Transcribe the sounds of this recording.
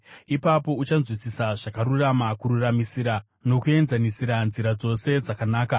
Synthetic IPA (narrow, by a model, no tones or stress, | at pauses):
ipapo̞ut͡ʃanzwisisaʐakaɾuramakuɾuramisiɾa | no̞kue̞nzanisiɾanziɾad͡zo̞se̞d͡zakanaːka